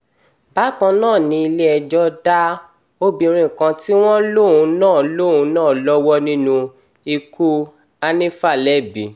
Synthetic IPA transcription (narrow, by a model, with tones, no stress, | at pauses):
ba˨˦kã˧nãː˦˨nĩ˧i˧le˦ɛ˧d͡ʒɔ˦da˦ | o˦bĩ˧ɾ̃ĩ˨kã˧ti˦w̃ɔ̃˦lo˦˨ũ˧nãː˦˨lo˦˨ũ˨˧˦nãː˦˨lɔ˦wɔ˦nĩ˦nũ˧ | i˧ku˦ | a˧nĩ˦fa˦˨lɛ˦˨bi˨